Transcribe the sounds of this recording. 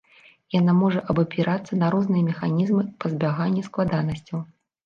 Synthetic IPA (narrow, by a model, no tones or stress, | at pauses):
janamɔʐɐʔɐbɐpʲiɾʔat̪sːɐnɐɾɔznɨjɐmʲɛxanʲizmɨpɐzʲbʲaɣanʲːisklˠad̪anɐsʲt͡sʲɐw